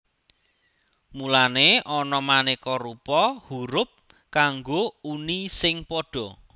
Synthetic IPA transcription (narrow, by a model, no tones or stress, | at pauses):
mulaneʔɔnɔmanekɔɾupɔhuɾʊp̚ | kaŋɡounisɪŋpɔɖ̥ɔ̤